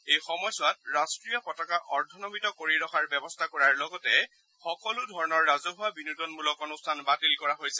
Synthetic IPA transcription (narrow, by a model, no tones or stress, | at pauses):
ejxɔmɔjswat̚ɹastɹijɔpɔtakaʔɔɹdʱɔnɔmitɔkoɹiɹɔxaɹbɛbɔstʰakɔɹaɹlɔɡɔtɛ | xɔkɔlʊdʱɔɹɔnɔɹːazɔɦʊwabinutɔnmulɔkɔnustʰanbatilkɔɹaɦojsɛ